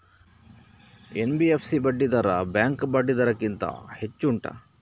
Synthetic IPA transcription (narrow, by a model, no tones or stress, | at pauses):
enbiepʰsibɐɖːid̪ɐɾɐbjaːŋkbɐɖːid̪ɐɾɐkːint̪ɐ̰het͡ʃːuɳʈɐ̰